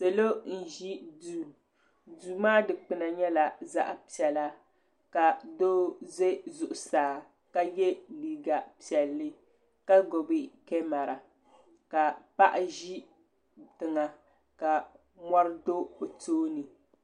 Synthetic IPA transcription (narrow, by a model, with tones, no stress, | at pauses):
se˨lo˦n̩˨ʒi˦u˨ | du˨maː˦dɨ˨k͡pɨ˨na˨ɲɛ˦la˨za̰˦ʔa˨pi˨ɛ˨la˦ | ka˨doː˦ze˦zʊ˨ʔʊ˨saː˨ | ka˨jɛ˦liː˨ɡa˨pi˨ɛ˨lːɨ˦ | ka˦ɡo˨bɨ˦kɛ˦ma˨ɾa˨ | ka˨pa˦ʔʒi˦ | tɨ˨ŋa˨ | ka˨ | ma˦ɾɨ˦do˦o˨toː˦nɨ˨